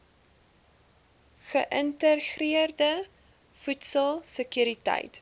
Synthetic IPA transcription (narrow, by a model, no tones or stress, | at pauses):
χəʔəntəχriərdə | futsəlˠsəkyɾitɐ̰jt